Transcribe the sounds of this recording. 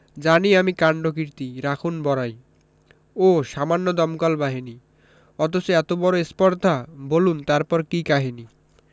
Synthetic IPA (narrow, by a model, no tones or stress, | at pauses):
d͡ʑaniamikaɳɖokiɾt̪iɾakʰunbɔɾaj | oʃamanːod̪ɔmkalbaɦini | ɔt̪osoɛt̪obɔɾoespɔɾd̪ʱabolunt̪aɾpɔɾkikaɦini